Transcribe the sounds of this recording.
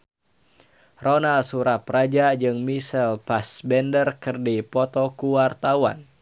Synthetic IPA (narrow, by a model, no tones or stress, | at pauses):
ronalsuɾaprad͡ʒad͡ʒɨŋmisɛlpasbɛndərkɨrdipɔt̪ɔkuwart̪awa̰n